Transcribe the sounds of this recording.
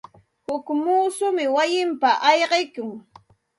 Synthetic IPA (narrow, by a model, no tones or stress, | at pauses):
hʊkmuːsʊmɪwajɪmpaʔɑjɢejkʊŋ